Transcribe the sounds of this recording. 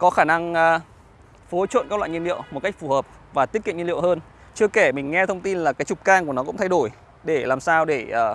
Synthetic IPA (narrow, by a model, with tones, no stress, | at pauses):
kɔ˨˦xaː˧˩na˧ŋː˧ | fo˨˦t͡ɕwə̰˧˨nkaː˦˥klwa̰ː˧˨ŋɲ˧lḭ˧˨əwmo˨˩t̚ka˦˥jk̚fu˧˩həː˨˩p̚ | vaː˨˩t̪ət̚kḭ˧˨ɲ˧lḭ˧˨həː˧n | t͡ɕɨ˧əke˧˩mï˨˩ŋ̟ŋɛ˧t̪ʰə˧wŋ͡mt̪i˧nlaː˨˩kaː˨˦jt͡ɕʊ˨˩k͡p̚kaː˧ŋku˧˩ənɔ˨˦ʊ̰˧˥ŋ͡mt̪ʰa˧jɗo˧˩j | ɗe˧˩laː˨˩msaː˧wɗe˧˩əː˧˩